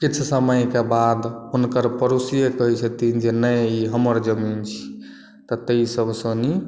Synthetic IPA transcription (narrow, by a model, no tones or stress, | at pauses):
kit͡ʃʰsəməjkebad̪unkəɾpəɾusijekəɦit͡ʃʰət̪ind͡ʒenəjiɦəməɾd͡ʒəmint͡ʃʰi̥ | t̪ɔt̪əisəbsə̃ni